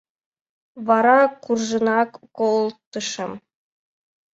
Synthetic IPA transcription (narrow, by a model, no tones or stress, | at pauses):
βɑɾɑkurʒə̆nɑkːolˠt̪ə̆ʃɤ̆m